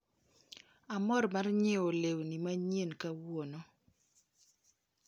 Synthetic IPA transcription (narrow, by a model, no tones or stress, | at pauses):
amɔrmarɲeolewnimaɲenkawono